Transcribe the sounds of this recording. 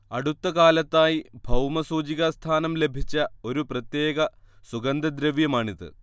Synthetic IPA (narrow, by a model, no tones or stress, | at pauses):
ɐɽut̪ːɐkaːlɐt̪ːaːjibʱɐwmɐsuːd͡ʑiɣɐst̪ʰaːnɐmle̞bʱit͡ɕːɐo̞ɾuprɐt̪je̞ːɡɐ | suɡɐnd̪ɐd̪ɾɐʋjɐmaːɳiðɨ̰